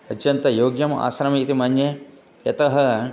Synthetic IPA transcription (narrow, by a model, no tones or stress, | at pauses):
ɐtjɐnt̪ɐjoːɡjɐma̰ːsɾɐmit̪imɐnje | jɐt̪ɐɦɐ